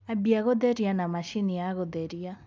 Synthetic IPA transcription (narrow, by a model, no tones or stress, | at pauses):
abiaɣɔd̪ɛɾianamaʃiniaɣɔd̪ɛɾia